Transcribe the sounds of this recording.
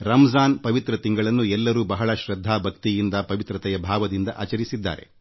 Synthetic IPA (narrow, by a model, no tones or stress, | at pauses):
ɾɐmɐzaːnpɐʋit̪ɾɐt̪iŋɡɐɭɐnːuɛlːɐɾuːbɐɦɐɭɐʃɾɐd̪ʱːaːbʱɐkt̪ijind̪ɐpɐʋit̪ɾɐt̪ɛjɐbʱaːʋɐd̪ind̪ɐʔa̰ːt͡ʃɐɾisid̪ːa̰ːɾe̞̰